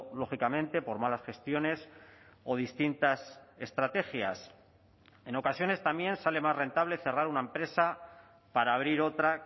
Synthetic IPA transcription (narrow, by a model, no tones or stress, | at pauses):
lo̞xikamẽ̞nt̪e̞po̞ɾmalasxe̞st̪jo̞ne̞so̞ð̞ist̪int̪ase̞st̪ɾat̪e̞xja̰s | e̞no̞kasjo̞ne̞st̪amjẽ̞nsale̞mazre̞nt̪aβ̞le̞θe̞raɾunaempɾe̞sa | paɾaːβ̞ɾiɾo̞t̪ɾa